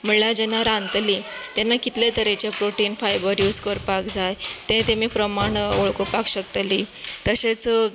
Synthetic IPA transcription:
m̤əlad͡ʑɛnaɾãnt̪lit̪janːakit̪let̪əɾet͡ɕjapɾoʈiːnfajbəɾjuːd͡zkəɾpakd͡zajt̪ɛ̃t̪emiːpɾəmaɳoɭkopakɕəkt̪liːt̪əɕet͡s

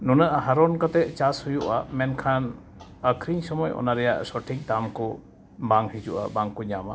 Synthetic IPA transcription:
nunaʔɦaɾɔnkat̪ɛt͡ʃashujuʔamɛnkʰan | əkʰɾiŋsɔmɔjʔɔ̰naɾɛjaʔsɔʈʰik̚d̪amkɔ | baŋhid͡ʒuʔa̰baŋkɔɲama

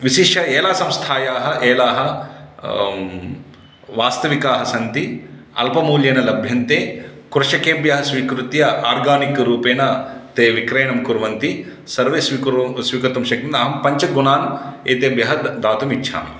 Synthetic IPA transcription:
ʋiʃiʂʰɐɛːlaːsɐmst̪ʰaːjaːɦɐʔɛːlaːɦɐ | ʋaːst̪ɐʋikaːɦɐsɐnt̪i | ɐ̰lpɐmuːljɐnɐlɐbʱjɐnt̪eːkuɾɐʂɐkeːmbjɐɦɐsʋiːkɾut̪ijɐaːɾɡaːnikɐɾuːpɛːnɐt̪eːʋikɾɐjɐɳɐmkuɾʋɐnt̪i | sɐɾʋeːsʋikɾsʋiːkɐt̪ɐmʃɐk̚t̪ind̪ɐɦɐmpɐɲt͡ʃɐɡunaːneːt̪eːmbjɐɦɐd̪aːt̪umit͡ʃʰa̰ːmḭ

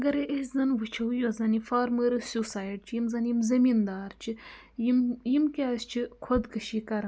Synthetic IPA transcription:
ɡɐɾeʔeszɐnʋɨt͡ʃʰɐwjozɐnifaːɾməɾɨsusaːjʈt͡ʃʰijimzɐnjimzɐmind̪aːɾt͡ʃʰi | jimjimkeaːsʲt͡ʃʰikʰod̪kɐʃikɐɾ

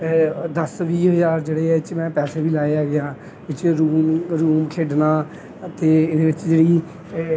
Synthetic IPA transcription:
d̪əsʋiːɦəzaːɾd͡ʒeːɽeːɛɪt͡ʃmɛ̃ːpɛːseːʋiːlaːeaːɡɪãː | ʋɪt͡ʃɾuːmɾuːmkʰeːɖnaː | t̪eːɪnẽːʋɪt͡ʃd͡ʒeːɽiː

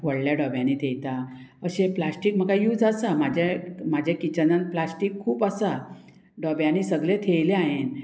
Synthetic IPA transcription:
ʋəɽljaɖɔbjãniːt̪ʰejt̪a | əɕeplasʈiːk̚m̤əkajuːd͡zasamad͡ʑʱemad͡ʑʱekit͡ɕənənplasʈikʰːuːpəsa | ɖɔbjãniːsəɡlet̪ʰejleaɦen

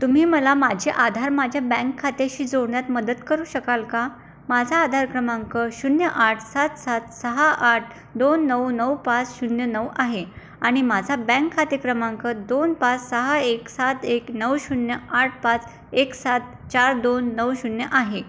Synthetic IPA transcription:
t̪um̤iːməlamad͡ʑʱeʔad̪ʱaɾmad͡ʑʱjabɛ̃ŋkʰːat̪eɕiːd͡zoɽɳjat̪məd̪ət̪kəɾuːɕəkalka | mad͡zʱaːd̪ʱaɾkɾəmaŋkəɕunjəʔaʈʰsat̪sat̪səɦaʔaʈ̚ʰ | d̪onːəwnəwpat͡sɕunjənəwʔaɦe | aɽ̃imad͡zʱabɛ̃ŋkʰːat̪ekɾəmãŋkəd̪onpat͡ssəɦaeksat̪eknəwɕunjəaʈ̚ʰpat͡s | eksat̪̚ | t͡ɕaɾd̪onːəwɕunjəʔaɦe

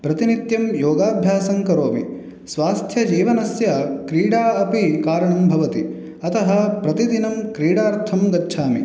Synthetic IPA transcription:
pɾɐt̪init̪jɐmjoːɡaːbʱjaːsɐŋkɐɾoːʋḭ | sʋaːst̪ʰjɐd͡ʒiːʋɐnɐsjɐkɾiːɽaːɐpikaːɾɐɳɐmbʱɐʋɐt̪i | ɐt̪ɐɦɐpɾɐt̪id̪inɐmkɾiːɽaːɾt̪ʰɐmɡɐtːʃʰaːmḭ

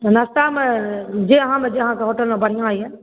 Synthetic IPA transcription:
nast̪aːmed͡ʒeɐɦãːmẽd͡ʒeɐɦãːkeɦoːʈəlmẽbɐɽ̤ijãaːiɦɛː

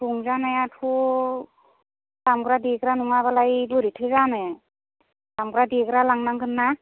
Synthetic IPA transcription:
tuŋzanajatʰu | tamɡɾadikɾanuŋaβalajbɯɾitʰɯjzanaj | tamɡɾadiɡɾalaŋnaŋkʰɯnːa

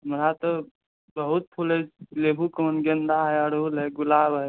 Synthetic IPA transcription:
ɦəmɾat̪ɔ | bəɦut̪̚pʰulɛd͡ʒleːbʱukoːnɡənd̪aɦɛəɽoːlɦɛɡʊlaːbɦɛ

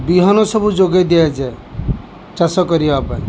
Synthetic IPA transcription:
biɦɔnɔsɔbʱud͡ʒoɡed̪iad͡ʒɛ | t͡ʃasɔkɔɾiapaj

